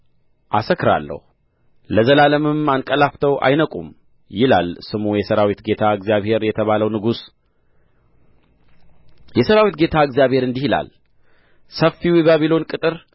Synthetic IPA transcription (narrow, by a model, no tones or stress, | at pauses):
ʔasəkːɨɾa̰lːə̰hu | ləzəlaləmɨmankʼəlaft̪ʰəwʔa̰jnəkʼum | jɪlalsɨmojɛsəɾawit̪ɡe̞t̪ʰaɨɡzjaβhe̞ɾjɛt̪ʰəβaləwnɨɡus | jɛsəɾawit̪ɡe̞t̪ʰaɨɡzijaβhe̞ɾɨnd̪ihila̰l | səfiwiβaβilo̞nkʼɨt̪ʼɨɾ